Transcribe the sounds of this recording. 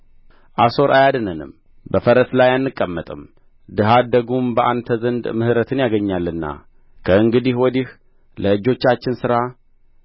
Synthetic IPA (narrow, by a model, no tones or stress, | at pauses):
ʔaso̞ɾʔajad̪ɨnənɨ̰m | bəfəɾəslajanːɨkʼːəmːət̪ʼɨm | d̪ɨɦad̪əɡumbəʔant̪ʰəzənd̪mɨhɨɾət̪ʰɨnjaɡəɲːalːɨnːa̰ | kʰəɨŋɡɨd̪ihwɔd̪ih | ləɨd͡ʒo̞t͡ʃːat͡ʃːɪnsɨɾa